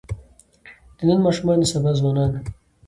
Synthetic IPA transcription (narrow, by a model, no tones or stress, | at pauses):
d̪̥ənənmɑːʃumɑnisabazwɑːnɑːn